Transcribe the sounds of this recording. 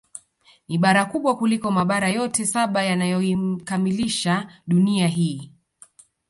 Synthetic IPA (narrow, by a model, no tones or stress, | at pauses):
iɓaɾakuɓwakulikɔmaɓaɾajɔtɛsaɓajanajɔim̩kamiliʃaɗuniaɦiː